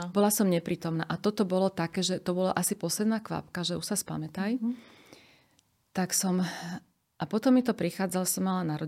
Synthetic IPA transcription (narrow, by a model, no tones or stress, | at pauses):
bɔlasɔmɲɛpɾiːt̪ɔmnaːʔat̪ɔt̪ɔbɔlɔt̪akɛːʒɛt̪ɔbɔla̰ʔasipɔslɛd̪naːkʋa̰pkaʒɛuʃsaspa̰mɛt̪aj | t̪aksɔm | ʔapɔt̪ɔmːit̪ɔpɾixaːd͡zalsɔmːalanaɾɔ